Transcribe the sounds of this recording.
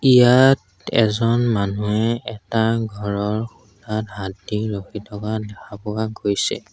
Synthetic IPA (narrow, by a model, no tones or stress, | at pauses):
ijat | ɛ̰zɔnmanuɛɛtaɡʱɔɹɔɹxutatɦatdiɹoxitʰɔkadɛxapʊaɡojsɛ̰